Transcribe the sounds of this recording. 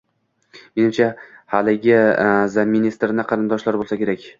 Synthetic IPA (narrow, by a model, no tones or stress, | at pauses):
menɪmt͡ʃʰahalɪɡʲɪzaminist̪ɾnɪqʰɑɾɪnd̪ɒʃlaɾbolˠsakʲʰe̞ɾakʲ